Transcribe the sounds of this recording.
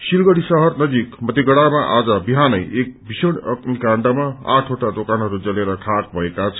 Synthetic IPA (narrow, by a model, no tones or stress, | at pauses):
silɡʌɽisʌɦʌrnʌd͡zikmʌt̪iɡʌɽamaʔad͡zʌbiɦanʌjek̚bʱisʌɽʌknikaɳɖamaa̰ʈʰɦoʈad̪okanɦʌɾud͡zʌleɾʌʈʰak̚bʱʌekat͡sʰ